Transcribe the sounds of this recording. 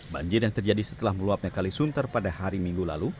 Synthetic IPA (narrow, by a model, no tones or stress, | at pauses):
ba̰ɲd͡ʒɪrjaŋt̪ərd͡ʒadisə̥t̪əlahməluap̚ɲakalisunt̪ərpadahaɾimiŋɡula̰lu